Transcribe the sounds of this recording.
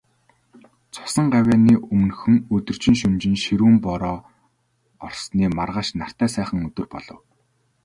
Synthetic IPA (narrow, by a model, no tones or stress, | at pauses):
t͡sʰʊ̥sə̆ɴɢawʲæːniːʔɵm̆nɵxɵ̆ŋɵt̪ɵ̆r̥t͡ɕɪ̆ŋʃɵnt͡ɕɪ̆nʃiɾuːmpɔɾɔː | ɔrsniːmarʁaːʃnar̥t̪æːsæːχə̆ŋɵt̪ɵ̆rpɔ̰ɮɞ̆w